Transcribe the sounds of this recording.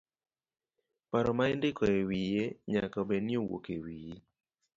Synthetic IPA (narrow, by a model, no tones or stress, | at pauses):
paɾɔmaɪndɪkɔewijeɲakabenjowo̰kewiji